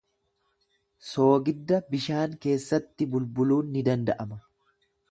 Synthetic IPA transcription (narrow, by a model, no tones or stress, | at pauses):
so̞ːɡɪd̪ːɐbɪʃaːŋke̞ːsːɐt̪ːɪbʊlbʊluːnːɪd̪ɐnd̪ɐʔɐmɐ